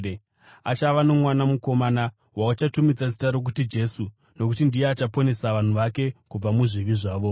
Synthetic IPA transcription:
at͡ʃaʋano̞mwanamuko̞mana | waut͡ʃatumid͡zazitaɾo̞k̬utid͡ʒe̞su | no̞kutindijeat͡ʃapo̞ne̞saʋan̤uʋake̞kub͡vamuʐiʋiʐaːʋo̞

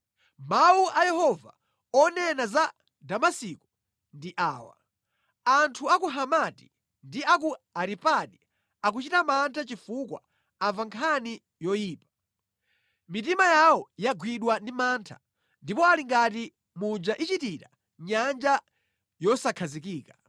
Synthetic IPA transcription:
mawuʔajɛhɔva̰ | ɔnɛnaza | damasiku | ndiʔaːwa̰ | antʰuakuɦamati̥ | ndiakuaɾipaɗi | ak̬ut͡ʃitamantʰat͡ʃifukwa̰ | aɱvaŋkʰani | jɔjiːpḁ | mitimajawɔjaɡwiɗwandimaːntʰḁ | ndipɔaliŋɡati | mud͡ʒaʔit͡ʃitiɾa | ɲand͡ʒa | jɔsakʰazikiːka

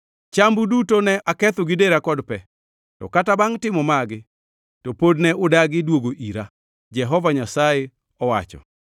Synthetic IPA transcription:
t͡ʃambudutonɛʔakɛt̪ʊɡɪdeɾakɔdpɛ | tɔ̰katabaŋtɪmɔmaɡɪ | tɔpodnɛʔʊdaɡɪdwoɡoʔiɾa | d͡ʒɛɦɔvaɲasajɛ | ɔwa̰t͡ʃɔ̰

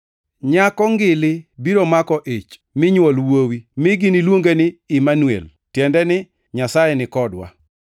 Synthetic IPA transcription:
ɲakɔŋɡɪlɪbiɾomakɔʔet͡ʃ | mɪɲwɔlwowimɪɡɪnilwoŋɡenɪɪmanwḛl | tjɛndɛnɪ | ɲasajɛnɪkɔdwa̰

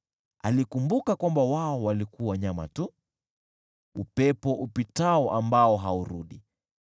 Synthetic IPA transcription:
alikumbukakwambawaɔwalikuwaɲama̰tu | upɛpɔʔupitaɔʔambaɔɦauɾuɗi

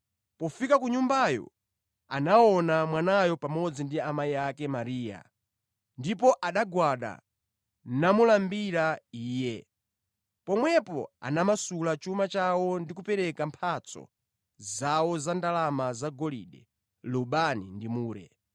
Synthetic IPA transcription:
pɔfikakuɲumbajɔ̰ | a̰naɔnamwanajɔpamɔd͡zindiamaiakɛmaɾiːja̰ | ndipɔʔaɗaɡwaɗa̰ | namulambiɾaiːjɛ | pɔmwɛpɔ̰a̰namasulat͡ʃumat͡ʃawɔndikupɛɾɛkampʰat͡sʰɔ̰ | zawɔzandalamazaɡɔlḭːɗɛ | luɓanindimuːɾɛ̰

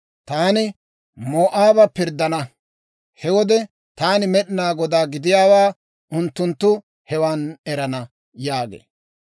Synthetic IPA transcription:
t̪aːnɪ | mo̞ːʔaːbɐpɪɾd̪ɐnɐ | hɛwɔd̪ɛ | t̪aːnɪmɛɗɪnaːɡɔd̪aːɡɪd̪ɪjaːwaː | ʔʊnt̪ːʊnt̪ːʊ | hɛwaːnɛɾɐnɐ | jaːɡḛː

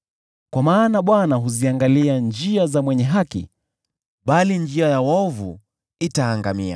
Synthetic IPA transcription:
kwamaːnaɓwanaɦuziaŋɡaliand͡ʒiazamwɛɲɛɦakḭ | ɓaliɲd͡ʒiajawɔvṵ | itaːŋɡamḭa̰

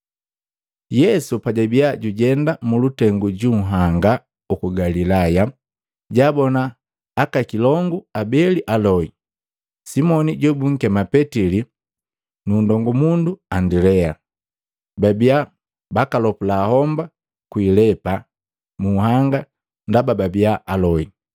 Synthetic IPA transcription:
jɛsupaɟabiaɟuɟɛndamulutɛŋɡuɟuŋ̩ɦaŋɡa | ukuɡalilaja | ɟaːbɔnaː | kakilɔŋɡuabɛliʔalɔi | simɔniɟɛbuŋ̩kɛmapɛtili | nundɔŋɡumunduandilɛa | babia | bakalɔpulahɔmba | kwiːlɛpa | muɦaŋɡa | ndabababiaʔalɔi

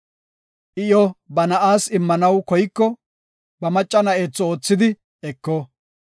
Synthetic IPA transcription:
ʔɪjɔbɐnɐʔaːsɪmːɐnɐwkɔjɪkːɔ | bɐmɐt͡ʃʼːɐnɐeːt͡sːɔoːt͡sːɪd̪ɪ | ɛkːɔ

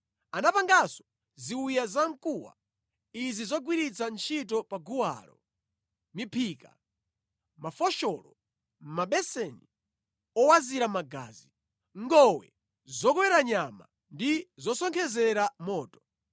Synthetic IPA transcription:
anapaŋɡasɔ̥ | ziwujazaŋ̩kuwa̰ | izizɔɡwiɾit͡sʰant͡ʃʰit̬ɔpaɡuwa̰ːlɔ̰ | mipʰiːka̰ | mafɔʃɔlɔ | m̩maɓɛsɛni | ɔwaziɾamaɡa̰ːzi | ŋɡɔwɛ̰ | zɔkɔwɛɾaɲama̰ | ndizɔsɔŋkʰɛzɛɾamɔːtɔ̥

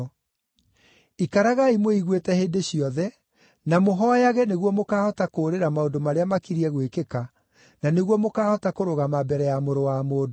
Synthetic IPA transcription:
ikaɾaɣaimoiɣwetɛheːndeɕiɔðɛ | namoɦɔjaɣɛneɣwɔmokaːhɔtakoːɾeɾamaodomaɾeamakiɾiɛɣwekeka | naneɣwɔmokaːhɔtakoɾoɣamabɛɾɛjamoɾowamoːd

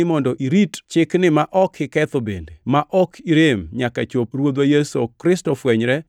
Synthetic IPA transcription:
ɪmɔndɔʔiɾitt͡ʃɪknɪmaʔɔkʰɪkɛt̪obḛndemaʔɔkʰiɾemɲakat͡ʃopɾwod̪wajesokɾɪstɔfwɛɲɾɛ

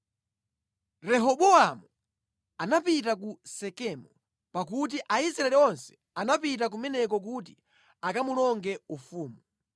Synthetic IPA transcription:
ɾɛɦɔɓɔamu | anapit̬ak̬usɛkɛmɔ | pak̬ut̬iʔaisɾaɛliɔnsɛ̥ | anapitak̬umɛnɛk̬ɔk̬uti | akamulɔŋɡɛufuːmu

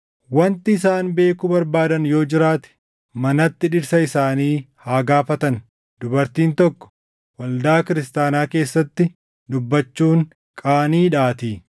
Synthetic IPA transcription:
wɐnt̪ɪɪs̬aːnbe̞ːkʊbɐɾbaːd̪ɐnjo̞ːd͡ʒɪɾaːt̪ɛ̥ | mɐnɐt̪ːɪᶑɪɾsɐɪsaːniːhaːɡaːfɐt̪ɐn | d̪ʊbɐɾt̪iːnt̪ɔkːɔ̥ | wɐld̪aːkɪɾɪst̪aːnaːke̞ːsːɐt̪ːɪ | d̪ʊbːɐt͡ʃːuːŋ | kʼaːniːᶑaːt̪iː

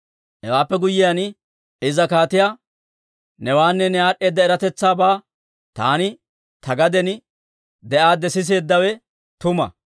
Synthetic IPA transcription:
ɛwaːpːɛɡʊjːɪjan | ɪzɐkaːt̪ɪjaː | nɛwaːnːɛnɛaːɗe̞ːd̪ːɐɛɾɐt̪ɛt͡sːaːbaː | t̪a̰ːnɪ | t̪ɐɡɐd̪ɛn | d̪ɛʔaːd̪ɛsɪs̬e̞ːd̪ːɐwɛ | t̪ʊmɐ̰

